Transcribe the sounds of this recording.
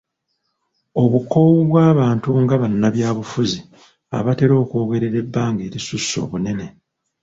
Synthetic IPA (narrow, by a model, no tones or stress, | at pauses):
o̞βuko̞wuβwaːβaːntuŋɡaβanːaβjaːβufuzi | a̰βate̞ɾo̞ːkuo̞ːɡe̞ɾe̞ɾe̞bːaːŋɡeːɾisusːo̞̰ːβune̞ne̞